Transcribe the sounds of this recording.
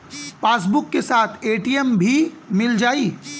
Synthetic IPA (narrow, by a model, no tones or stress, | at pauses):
paːs̬bʊkːesaːt̪ʰeːʈiːəmbʱimɪld͡ʒaːiː